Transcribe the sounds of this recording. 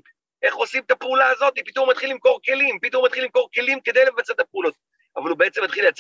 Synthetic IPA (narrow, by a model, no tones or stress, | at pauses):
ʔe̞χosimt̪apeulaːzo̞t̪ipit̪omat̪χilːimko̞ʁke̞limpit̪omat̪χilːimko̞ʁke̞limke̞d̪ejlevat͡set̪apeulo̞t̪̚ | avalubeet͡se̞mːat̪χileat͡s